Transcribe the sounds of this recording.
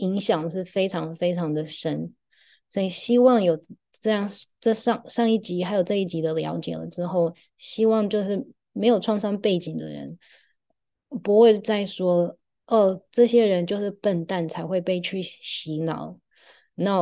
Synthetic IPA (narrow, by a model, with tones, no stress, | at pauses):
i˧˥ŋɕjɑ˨˩ŋʂɻ̩˥˩fe˥ɪʈ͡ʂʰɑ˧˥ŋfe˥ɪʈ͡ʂʰɑ˧˥ŋd̪ə˨ʂə˦˥n | swɔ˧˥i˨˩ɕi˥wɑ˥˩ŋjo˨˩ʊ | ʈ͡ʂɤ˥˧jɑ˥˩ŋʈ͡ʂə˥˧ʂɑ˥˩ŋʂɑ˥˧ŋi˥˩t͡ɕi˧˥xa˧˥ɪjo˨˩ʈ͡ʂɤ˥˧i˥˩t͡ɕi˧˥d̪ə˧ljɑ̰˧˥ʊt͡ɕjɛ̰˨˩lə̰˦ʈ͡ʂɻ̩˥xo˥˩ʊ | ɕi˥wɑ˥˧ŋt͡ɕjo˥˧ʊʂɻ̩˥˩ | me˧˥ɪjo˨˩ʊʈ͡ʂʰwɑ˥˧ŋʂɑ˥ŋpe˥˩ɪt͡ɕi˨˩ŋd̪ə̰˦ɻə̰˧˦n | pu˧˥xwe˥˧ɪt͡sa˥˩ɪʂwɔ˥ | ə˩ʈ͡ʂɤ˥˩ɕjɛ˥ɻə˧˦nt͡ɕjo˥˧ʊʂɻ̩˥˩pə˥˧nt̪a˥˩nt͡sʰa˧˥ɪxwe˥˧ɪpe˥˧ɪt͡ɕʰy˥˩ɕi˧˥nɑ̰˨˩˦ʊ | na˥˩